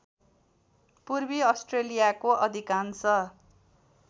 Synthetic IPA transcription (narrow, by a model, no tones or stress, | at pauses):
purbiʌsʈrelijakoʔʌd̪ʱikansʌ